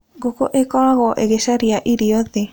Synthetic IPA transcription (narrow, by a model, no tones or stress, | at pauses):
ɡokoʔekoaɣoʔeɣesaɾiaʔiɾioðe